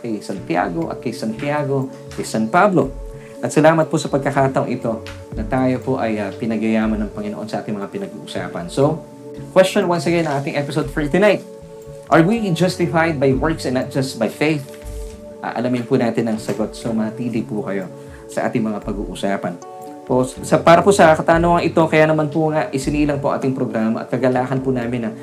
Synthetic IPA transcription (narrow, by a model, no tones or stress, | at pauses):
kɐjsɐnt̪ja̰ːɡo̞ʔɐ̰t̪̚kɐjsɐnt̪ɪjaːɡo̞ | kɐjsanpablo̞ | ʔɐt̪sɐlaːmɐt̪̚pʊsɐpɐɡ̚kɐkaːt̪ɐʔoŋʔɪt̪o̞ | nɐt̪aːjo̞poʔɐjapɪnɐɡɐjaːmɐnɐŋpɐŋɪnoʔo̞nsɐʔaːt̪ɪŋmɐŋapɪnɐɡṵːʔʊsa̰ːpɐnso | kwɛst͡ʃõnwɐnsɐɡɛnːɐ̃ŋʔaːt̪ɪŋʔɛpɪsod̪̚fɛɹt̪ʊnajt̪̚ | ʔɐɹwid͡ʒast̪ɪfajd̪̚bɐjwɛɹksɛnːɐt̪̚d͡ʒɐsbɐjfejθ | ʔɐ̰ʔɐ̰lamɪnpʊnaːt̪ɪnɐŋsɐɡo̞t̪̚somɐt̪iːlɪpʊkɐjo̞ | sɐʔa̰ːt̪ɪŋmɐŋapɐɡṵːʔʊsaːpɐn | possɐpaːɾɐpʊsɐɐkɐt̪aːnoŋɐŋʔɪt̪o̞kɐjanɐmanpʊŋaʔʔɪsɪniːlɐŋpoɐ̰ʔa̰ːt̪ɪŋpɾoɡɾaːmɐʔɐ̰t̪̚kɐɡɐlaːkɐnpʊnaːmɪnɐ